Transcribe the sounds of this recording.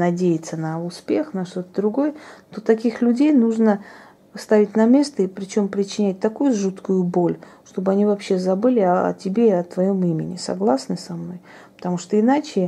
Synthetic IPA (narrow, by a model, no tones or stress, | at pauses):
nɐdʲejɪt̪sənɐʊspʲexnɐʂt̪o̞t̪əd̪ɾʊɡo̞jət̪o̞t̪ɐkʲixlʲʉdʲejnuʐnə | st̪avʲɪtʲnɐmʲe̞st̪əipɾʲɪt͡ɕo̞mpɾʲɪt͡ɕːɪnʲæt̚ʲt̪ɐkujʊʐut̪kʊjʊbo̞lʲʂt̪o̞bɨɐnʲivɐpɕːe̞zɐbɨlʲɪɐ̰tʲɪbʲeiɐt̪vɐjo̞mimʲɪnʲɪ̰sɐ̰ɡlˠasnɨsɐmno̞j | pə̥t̪ɐmuʂt̪oɪnat͡ɕɪ